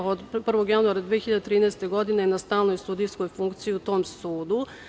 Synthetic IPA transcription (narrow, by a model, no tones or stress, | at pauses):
od̪pr̩ʋo̞ɡjanuaɾad̪ʋeexiʎad̪et̪ɾiːnɛːst̪eɡo̞d̪inenast̪aːlnojst̪ud̪ijskojfuŋkt̪sijiut̪o̞ːmsuːd̪u